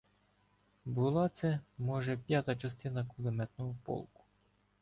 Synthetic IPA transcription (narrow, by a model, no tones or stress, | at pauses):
bʊlˠɑt̪sɛmɔʒɛpʲjat̪ɐt͡ʃɐst̪ɪnɐkʊlˠemɛt̪nɔɦɔpɔ̰lˠkʊ̥